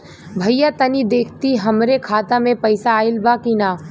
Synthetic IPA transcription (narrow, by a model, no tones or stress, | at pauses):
bʱɐjjat̪ɐnid̪eːkʰt̪iɦɐmɾekʰaːt̪amẽpɐɪsaːɪlbakiːnaː